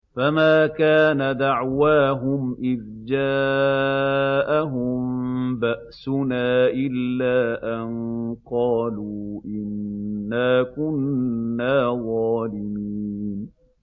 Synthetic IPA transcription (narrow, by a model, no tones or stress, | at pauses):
famaːkaːnad̪aʕwaːɦʊmʔɪð | d͡ʒaː | ʔaɦʊmbaʔsʊnaːʔɪlːaːʔanqɑːluːʔɪnːaːkʊnːaːðˤɑːlɪmiːn